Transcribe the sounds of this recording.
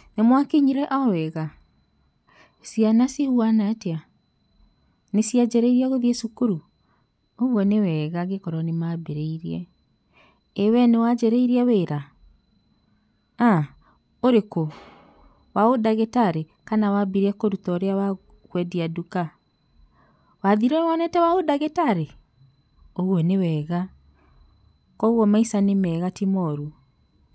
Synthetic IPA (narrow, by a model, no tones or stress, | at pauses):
nemwakeɲiɾɛʔɔwɛɣa | sianasihuanatea | nesiad͡ʒɛɾeiɾiaɣoðiɛsukuɾu | oɣwɔnewɛɣaɣekɔɾɔnemabeɾeiɾiɛ | ewɛnewad͡ʒɛɾeiɾiaweɾa | a | oɾeko | waodaɣetaɾekanawabiɾɛkoɾutɔɾeawa | ɣwɛdiaduka | waðiɾɛwanɛtɛwaodaɣetaɾe | oɣwɔnewɛːɣa | kɔɣwɔmaisanemɛːɣatimɔɾu